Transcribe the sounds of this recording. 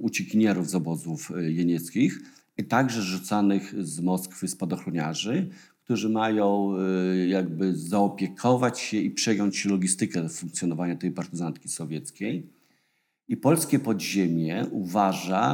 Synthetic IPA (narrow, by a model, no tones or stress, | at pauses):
ut͡ɕikʲiɲɛɾuvzɔbɔzufjɛɲɛt̪skʲix | t̪aɡʐɛzʐut̪sanɘxzmɔskfɘspɔd̪ɔxɾɔɲaʐɘ | kt̪uʐɘmajɔ̃w̃jaɡ̚bɘzaɔpʲjɛkʰɔvat͡ɕɕɛipʂɛjɔɲt͡ɕːɛlɔɡʲist̪ɘkɛfũŋkt̪sʲjɔnɔvaɲat̪ɛjpaɾt̪ɘzant̪̚kʲi̥sɔvʲjɛt̪skʲɛj | ipɔlskʲɛpɔd̪ʑemʲjɛuvaʐa